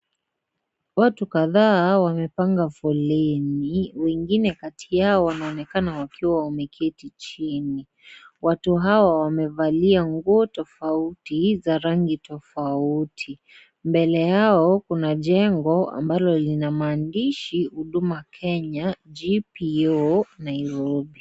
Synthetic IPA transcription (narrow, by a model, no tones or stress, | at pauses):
watukaðaːwamɛpaŋɡafɔlɛniwɛŋɡinɛkatʰijaɔwanaɔnɛkanawakiwaɔmɛkʰɛtit͡ʃini | watuɦaawamɛvaliaŋɡuɔtɔfautizaɾaŋɡitɔfautʰi | mbɛlɛjaɔkunaʄɛŋɡɔa̰mbalɔlinamaːndiʃihuɗumakʰɛɲad͡ʒipiɔnaiɾɔbi